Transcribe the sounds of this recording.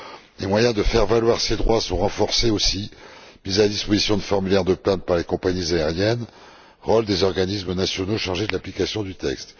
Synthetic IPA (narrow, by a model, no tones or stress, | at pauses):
lemwajɛ̃d̪əfɛʁvalwaʁsed̪ʁwasɔ̃ʁɑ̃fɔʁseosi | mizalad̪ispozisjɔ̃d̪əfɔʁmylɛʁd̪əplɛ̃t̪̚paʁlekɔ̃paɲizaɛʁjɛn | ʁɔld̪ezɔʁɡanismənasjɔnoʃaʁʒed̪əlaplikasjɔ̃d̪yt̪ɛkst̪